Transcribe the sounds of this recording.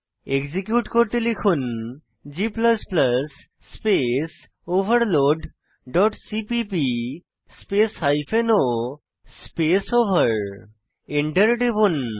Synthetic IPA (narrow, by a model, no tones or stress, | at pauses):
eɡzikjuʈkoɾt̪elikʰun | d͡ʑiplɐsplɐsː | pes | obʱɐɾloɖ | ɖɔʈsipipi | speshajpʰeno | spesobʱɐɾ | eɳʈəɾɖebun